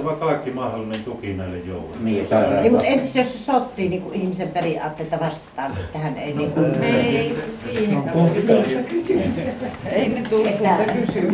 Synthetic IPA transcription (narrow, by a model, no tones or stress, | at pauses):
ʋɑˑkɑˑekːimɑhdolinent̪ukinɑˑelːejjo̰ˑulunisɑæeimut̪ent̪isːˑæjossesot̪ːiːniːŋkuʔʔihmisemperiʔɑ̰ːt̪ːeˑlet̪ːɑʋɑst̪ɑ̥t̪ɑːnʔḛt̪ːæhænḛˑiniːŋkuneisesiːekot̪iækysy | eˑinet̪ulet̪ːææpysy